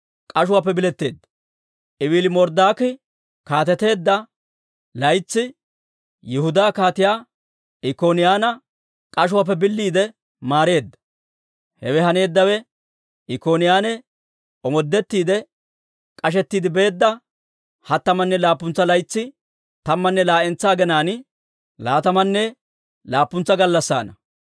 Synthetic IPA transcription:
kʼɐʃ̬ʊwaːpːɛbɪlɛt̪ːe̞ːd̪ːɐ̥ | ʔɪwɪlɪmɔɾd̪aːkɪ | kaːt̪ɛt̪e̞ːd̪ːɐ | lɐjt͡sːɪ | jɪhʊd̪aːkaːt̪ɪjaː | ɪkoːnɪjaːnɐ | kʼɐʃ̬ʊwaːp̬ːɛbɪlːiːd̪ɛ | maːɾe̞ːd̪ːɐ̥ | hɛ̰wɛhɐne̞ːd̪ːɐwɛ | ɪko̞ːnɪjaːnɛ | ʔɔmɔd̪ːɛt̪ːiːd̪ɛ | kʼɐʃɛt̪ːiːd̪ɪbe̞ːd̪ːɐ | hɐt̪ːɐmɐnːɛlaːpːʊnt͡sːɐlɐjt͡sːɪ | t̪ɐmːɐnːɛlaːʔɛnt͡sːaːɡɛnaːn | laːt̪ɐmɐnːɛ | laːpːʊnt͡sːɐɡɐlːɐsːa̰ːnɐ

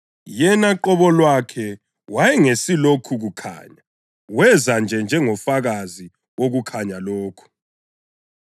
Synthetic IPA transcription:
jɛnaǃɔβɔlwakʰɛ | wajɛŋesilokʰuɣukʰa̰ːɲa | wɛzand͡ʒʱɛnd͡ʒʱɛŋɔfaɣazi | woɣukʰaɲaloːkʰu̥

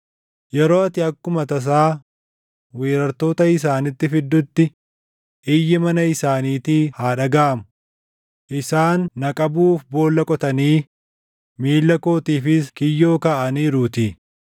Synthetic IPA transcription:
jɛɾoːɐt̪ɪɐkːʊmɐt̪ɐs̬aː | weːɾɐɾt̪o̞ːt̪ɐɪs̬aːnɪt̪ːɪfɪd̪ːʊt̪ːɪ | ʔɪjːɪmɐnɐɪsaːniːt̪iːhaːᶑɐɡaːʔmʊ | ʔɪsaːnːɐkʼɐbuːfbo̞ːlːɐkʼɔt̪ɐniː | miːlːɐko̞ːt̪iːfɪskɪjːo̞ːkɐʔɐniːɾuːt̪iː

